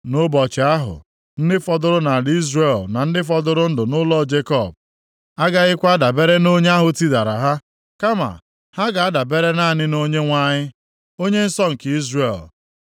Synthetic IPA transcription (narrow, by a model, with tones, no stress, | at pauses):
nʊ˦bɔ˨t͡ʃɪ˨a˦ɦʊ̰˨ | n̩˦dɪ˦fɔ˦dʊ˦ɾʊ˦na˨dɪ˦i˦zre˦˨lna˨n̩˦dɪ˦f̬ɔ˦dʊ˦ɾʊ˦n̩˦dʊ˨nʊ˦lɔ˦˨d͡ʒe˦kɔ˦˨b̚ | a˦ɡa˦ɣɪ˦kʷa˦da˨be˦ɾe˦no˦ɲe˦a˦ɦʊ˨ti˦da˨ɾa̰˨ɦa˦ | ka˦ma̰˨ | ha˦ɡa˨a˦da˨be˦ɾe˦na˦˨nɪ˦no˦ɲe˦ŋʷa˦ɲɪ˦ | o˦ɲe˦n̩˦sɔ˦ŋ̩˨ki˦zɾe˨l